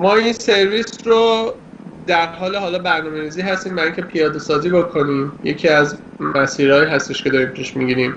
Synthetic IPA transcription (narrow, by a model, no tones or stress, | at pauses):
mɒːinse̞ɾviːsɾo | d̪æɾɦɒːleɦɒːlɒːbæɾnɒːme̞ɾiːziːɦæst̪iːmvæiŋcʰe̞pʰijɒːd̪e̞sɒːziːbokʰo̞niːmjecʰiæz | mæsiːɾɒːjiːɦæst̪eʃke̞d̪ɒːɾiːmpʰiʃmiɡiɾiːm